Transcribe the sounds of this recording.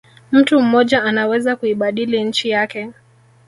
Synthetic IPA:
m̩tum̩mɔʄaanawɛzakuiɓaɗiliɲ̩t͡ʃijakɛ

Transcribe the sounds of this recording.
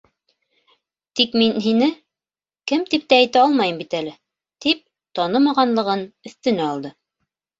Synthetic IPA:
t̪ikminɦinɘ | kɘmt̪ip̚t̪æːjt̪æɑlˠmɑjɤmbit̪ælɘ | t̪ip̚ | t̪ɑnɤmɑʁɑnlˠɤ̆ʁɤnɵ̆θt̪ɵ̆næɑlˠd̪ɤ

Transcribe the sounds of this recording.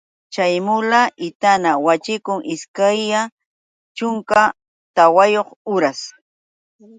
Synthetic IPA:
t͡ʃajmʊlaʔɪt̪anawat͡ʃɪkʊŋʔɪskaja | t͡ʃʊŋka | t̪awajoχʊɾas

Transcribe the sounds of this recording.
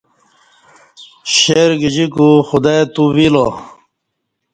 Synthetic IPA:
ɕeɾɡid͡ʑikuxud̪at̪uwilo

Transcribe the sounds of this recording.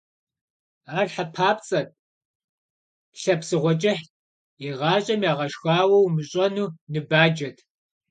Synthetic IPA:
aːrħapʰaːpt͡sʼɐt̚ | ɬɐpsɨʁʷɔt͡ʃʼɐħ | jiʁɑːɕʼɐmjaːʁɐʃxaːwɐwmɨɕʼɐnuːnɨbaːd͡ʒɐtʰ

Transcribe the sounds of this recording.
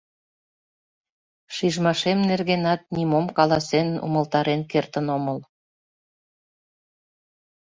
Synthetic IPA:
ʃiʒmɑʃemnerɣenɑt̪̚nimomkɑlɑsenṵməlt̪ɑɾenkert̪ə̆noməl

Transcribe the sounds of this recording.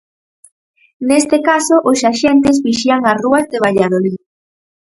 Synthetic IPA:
nest̪ekasoʔosaʃɛnt̪ɪzβiʃiaŋasruazðeβ̞aʎað̞oli

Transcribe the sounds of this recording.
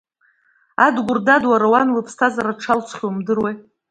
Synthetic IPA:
adɡʷʊrdadwaɾawanlɨpʰstʰazaɾaʈ͡ʂʰalt͡sʰχʲomdɨrwej

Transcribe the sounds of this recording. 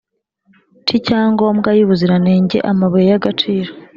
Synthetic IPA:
t͡ʃicaːŋɡo̞mɡajuβuziɾane̞ːɲɟe̞̰ʔamaβojejaɡat͡ʃiːɾo

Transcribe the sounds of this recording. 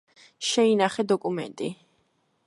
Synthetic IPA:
ʃɛinaχɛd̪ɔkʼumɛ̰nt̪ʼi

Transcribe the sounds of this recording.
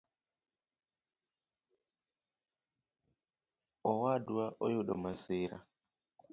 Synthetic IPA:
ʔɔwaːduwaʔɔjuɗɔ̰maseːɾa̰

